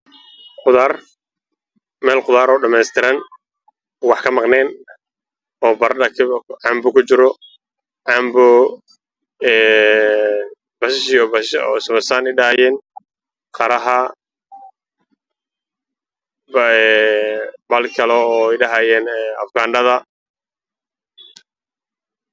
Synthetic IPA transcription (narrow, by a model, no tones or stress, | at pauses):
qʊðaːr | mɛːlqʊðaːɾɔːɖɐmɛːst̪ʰɪɾɐn | wɑħkʰɐmɑqnɛːn | ɔːbɐɾɐkʰʕɑmbʊkʰʊt͡ʃɪɾɔ | ʕɑmbʊ | ɛː | bɐʃʃɪɔbɔsʊβɐsaːnɪɗɐaːjɛːn | qɑɾɐɦɐ | bɐlkʰɐlɔɔːɪɖɐɦajɛːnɛɐfɡaːnɖɐðɐ